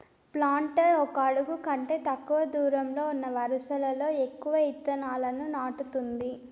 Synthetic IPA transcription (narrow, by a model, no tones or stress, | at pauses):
plaːɳʈɐɾɔkɐɐɽuɡukɐɳʈe̞ːt̪ɐkːuʋɐd̪uːɾɐmlo̞ːunːɐʋɐɾusɐlɐlo̞ːe̞kːuʋɐit̪ːɐnaːlɐnunaːʈut̪und̪i